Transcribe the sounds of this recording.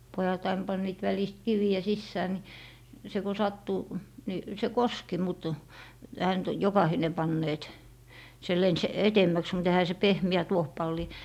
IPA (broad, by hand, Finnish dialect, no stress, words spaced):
pojɑt ɑin pɑnːiːt ʋælist kiʋiæ sisːæː ni se ku sɑtːu ni se koski mut ehæ nyt jokɑhine pɑnːeːt se lens etemːæks mut ehæ se pehmi̯æ tuohpɑlːi